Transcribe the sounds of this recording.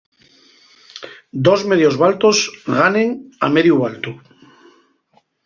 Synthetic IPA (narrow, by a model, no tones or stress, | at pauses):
d̪o̞zme̞ðjo̞zβalt̪o̞zɣanẽŋa̰meðjuβalt̪u